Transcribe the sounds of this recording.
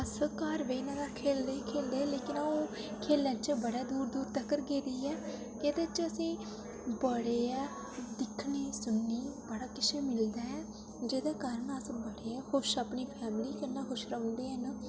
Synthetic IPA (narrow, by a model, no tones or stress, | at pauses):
əskaːɾʋeiːnãːd̪aːkʰeːld̪eːkʰeːld̪eːleːkɪnːoːkʰeːlːãːt͡ʃəbəɽaːd̪uːɾd̪uːɾt̪əkːəɾɡeːd̪iːɛː | keːd̪aːt͡ʃəsĩː | bəɽeːɛː | d̪ɪkʰniːsʊnːiːbəɽaːkɪt͡ʃʰeːmɪld̪aːɛː | d͡ʒeːd̪aːkaːɾəɳəsbəɽeːɛːhoʃəpɳiːpʰɛːmɪliːkənːaːɦʊʃɾəʊ̃nd̪eːɦən